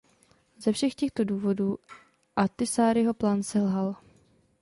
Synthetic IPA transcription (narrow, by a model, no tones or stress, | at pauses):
zɛfʃɛxcɛxt̪o̞duːvo̞duː | ʔat̪ɪsaːɾɪɦo̞plaːnsɛlɦal